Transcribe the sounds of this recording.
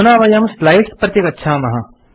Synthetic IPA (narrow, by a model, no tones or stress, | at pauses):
naːʋɐjɐmslajʈpɾɐt̪jekɐtːʃʰaːmɐɦa